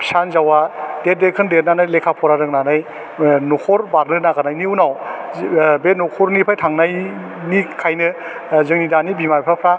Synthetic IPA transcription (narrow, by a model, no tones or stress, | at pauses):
pi̥sanzawadet̚dekʰɯndet̚nanajlekʰapʰɔɾaɾɯknanaj | nukʰɔɾbaɾnɯnaɡanajniunaw | benukʰɔɾnipʰajtʰaŋnaj | nikʰajnɯzɯŋnidanibimajpʰɾapʰɾa